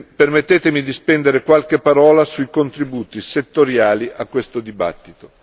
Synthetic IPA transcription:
permet̪ːeːt̪emid̪ispɛnd̪eɾekwalk̟epːaɾɔːlasuikont̪ɾibuːt̪iset̪ːoɾjaːliʔakwest̪od̪iba̰t̪ːit̪o

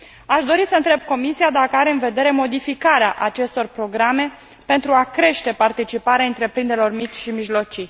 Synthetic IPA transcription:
aʃd̪o̞ɾisəɨnt̪ɾe̞b̚ko̞misiad̪akəaɾe̞ɨnve̞d̪e̞ɾe̞mo̞d̪ifikaɾeaʔat͡ʃe̞st̪o̞rpɾo̞ɡɾame̞ | pe̞nt̪ɾuakɾe̞ʃt̪e̞part̪it͡ʃipaɾeaɨnt̪ɾe̞pɾind̪eɾelo̞rmit͡ʃʲʃimiʒlo̞t͡ʃi

